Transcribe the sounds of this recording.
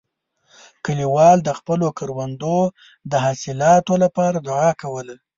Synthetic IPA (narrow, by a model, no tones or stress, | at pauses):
kəliwɑld̪əxpəlokəɾwand̪o | d̪əɦasɪlɑt̪olapɑɾad̪ʊʕɑkawəla